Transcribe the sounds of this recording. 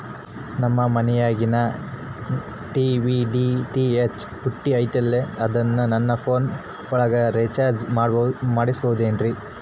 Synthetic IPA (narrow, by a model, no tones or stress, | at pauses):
nɐmːɐmɐnɛjaːɡinɐ | ʈiʋiɖiʈiet͡ʃhuʈːiɐjt̪ɐlːeɐd̪ɐnːunɐnːɐpʰoːn | ɔɭɐɡɐɾet͡ʃaːɾd͡ʒmaːɽmaːɽisbɐɦud̪eːndɾi